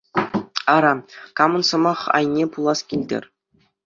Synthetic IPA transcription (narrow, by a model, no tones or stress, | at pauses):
ɑɾɑkɑmɤ̆nsɤ̆mɑχɑ̰jnʲepulˠɑskʲilʲdʲɘ̰rʲ